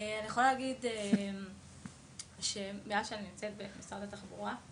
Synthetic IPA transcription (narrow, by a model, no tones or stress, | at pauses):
eanijeχolalːɡidem | ʃemeaʃeaninimt͡se̞t̪̚bemisʁad̪at̪aχbuʁa